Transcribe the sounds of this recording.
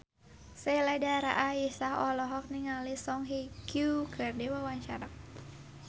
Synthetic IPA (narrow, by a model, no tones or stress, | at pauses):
seladaɾa̰ʔaisahɔlɔɦɔk̚niŋalisɔŋɦikjukʰɨrdewawaɲt͡ʃa̰ɾak̚